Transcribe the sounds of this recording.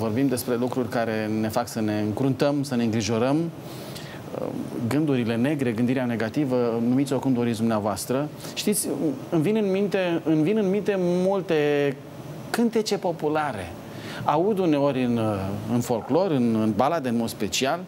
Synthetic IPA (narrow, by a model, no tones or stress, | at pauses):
vo̞rbimd̪e̞spɾe̞lukɾurʲkaɾe̞ne̞faksəne̞ɨŋkɾunt̪əmsəne̞ɨŋɡɾiʒo̞ɾəm | ə̰ɡɨnd̪uɾile̞ne̞ɡɾe̞ɡɨnd̪iɾeane̞ɡat̪ivənumit̪sʲjoakumd̪oɾisd̪umneavoast̪ɾə | ʃt̪it̪sʲɨnvinɨnmint̪e̞ɨnvinɨnmĩnt̪e̞mult̪e̞ | kɨnt̪e̞t͡ʃe̞po̞pulaɾe̞̰ | aud̪une̞o̞ɾʲɨnɨnfo̞lklo̞ɾɨnɨnbalad̪enmo̞d̪spe̞t͡ʃial